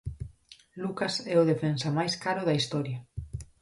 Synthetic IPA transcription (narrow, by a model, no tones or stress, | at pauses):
lukasɛʊðefensɐmajskaɾʊðɐist̪ɔɾja